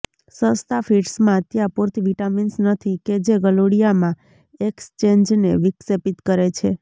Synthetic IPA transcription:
sə̃st̪afiʈsmãt̪jãpoɾt̪iʋiʈaminsnət̪ʰiked͡ʒeɡəloɽijamã | ekst͡ʃend͡ʒneʋiksepit̪kəɾet͡ʃʰe

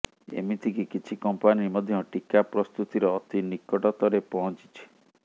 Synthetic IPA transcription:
ḛmit̪ʰikikit͡ʃʰikɔmpanimɔd̪ʱjɔʈikapɾɔst̪ut̪iɾɔːt̪inikɔʈɔt̪ɔɾepɔɦɔ̃t͡ʃi̥t͡ʃʰi̥

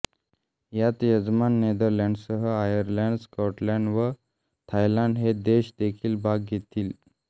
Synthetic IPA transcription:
jat̪jəd͡zmanːed̪əɾlãɳɖsəɦəajəɾlaɳɖskɔʈlãɳɖʋə | t̪ʰajlãɳɖɦed̪eɕd̪ekʰiːlbʱaɡɡʱet̪iːl

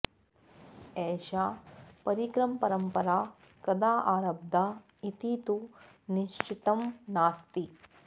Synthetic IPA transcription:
ɛːʃaːpɐɾikɾɐmpɐɾɐmpɐɾaː | kɐd̪aːʔaːɾɐb̚d̪ʱa | it̪iːt̪u | niʃt͡ʃʰit̪ɐmnaːst̪i

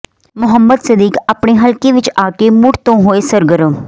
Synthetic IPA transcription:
mʊɦəmːəd̪səd̪iːkapɳeːɦəlkeːʋɪt͡ʃaːkeːmʊɽt̪õːɦoːeːsəɾɡəɾəm

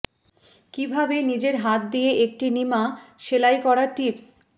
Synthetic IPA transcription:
kibʱabenid͡ʑeɾɦat̪̚d̪ijeʔek̚ʈinimaʃelajkɔɾaʈips

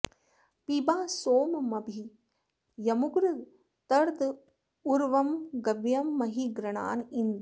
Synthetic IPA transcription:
pibaːsoːmɐmɐbʱi | jɐmʊɡɾɨ | t̪ɐɾd̪ | ʊɾʋɐmɡɐʋjɐmːɐɦiɡɾɐɳa̰ːnɪnd̪

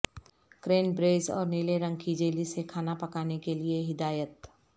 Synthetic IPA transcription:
kɾeːnbɾeːzɔ̰ːɾniːleɾɐ̃ŋkʰid͡ʒeːlisekʰaːnapɐkaːnekelieɦɪd̪aːjət̪

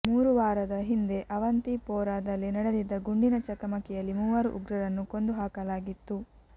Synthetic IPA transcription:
muːɾuʋaːɾɐd̪ɐɦind̪e̞ʔɐʋɐnt̪ipɔːɾaːd̪ɐlːinɐɽed̪id̪ːɐɡuɳɖinɐt͡ʃɐkɐmɐkɛjɐlːimuːʋɐɾuʔṵɡɾɐɾɐnːukond̪uɦaːkɐlaːɡit̪ːu

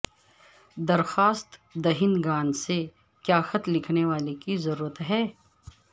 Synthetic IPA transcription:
d̪ɐɾxaːst̪d̪ɐɦɪnɡaːnse | kjaːxɐt̪lːɪkʰneʋaːlekizɐɾuːɾət̪ɦɛː

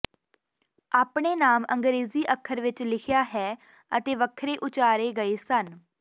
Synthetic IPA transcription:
aːpɽ̃eːnaːmə̰̃ŋɡɾeːziːʔəkʰːəɾʋɪt͡ʃlɪkʰɪjaːɦɛː | ət̪eːʋəkʰːɾeːʔʊt͡ʃaːɾeːɡəeːsən

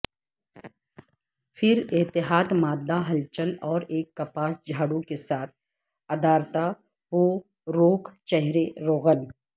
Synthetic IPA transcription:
fʰɪɾɪt̪ɪɦaːd̪maːd̪ːaɦɐlt͡ʃəlɔːɾeːkːɐpaːsd͡ʒʱaːɽũkesaːt̪̚ʰ | ɐd̪aːɾt̪a | ʋoː | ɾoːkʰt͡ʃɛɦɾeɾoːɣən

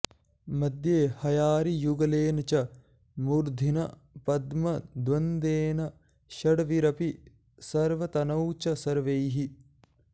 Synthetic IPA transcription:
mɐd̪jeːhɐjaːɾijuɡɐleːnɐt͡ʃɐ | muɾd̪ʱinɐ | pɐd̪mɐd̪ʋɐnd̪eːnɐ | ʃɐɽɐʋiɾɐpi | sɐɾʋɐt̪ɐnɐwt͡ʃɐsɐɾʋejɦi

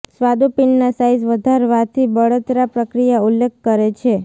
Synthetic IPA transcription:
sʋad̪upinːasaizʋəd̪ʱaɾʋat̪ʰibəɭət̪ɾapɾəkɾijaulːek̚ʰkəɾet͡ʃʰe

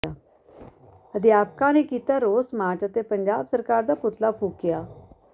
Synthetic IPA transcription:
a | əd̪ijaːpkãnekit̪aɾoːsmaʈət̪epəɲd͡ʑaːbsəɾkaːɾd̪aput̪ʰlapʰuːkja

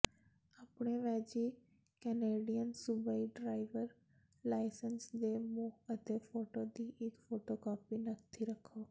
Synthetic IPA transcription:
aːpɳeːʋɛːd͡ʒiː | kɛneːɖijənsʊbaːiːɖɾaːɪʋəɾ | laːɪsənsd̪eːmuːɦət̪eːpʰoːʈoːd̪iːʔɪkfʰoːʈoːkaːpiːnəkt̪ʰiːɾəkʰːoː

